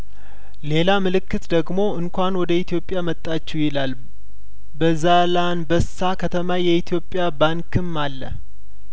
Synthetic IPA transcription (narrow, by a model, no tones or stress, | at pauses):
le̞lamɨlɨkːɨt̪d̪əɡmo̞ɨŋkʷanwɔd̪əit̪ʰijo̞pʼjamət̪ʼːat͡ʃːɛwjɪlal | bəzalanbəsakʰət̪ʰəmajɛit̪ʰijo̞pʼːjabaŋkʰɨmːalːə̰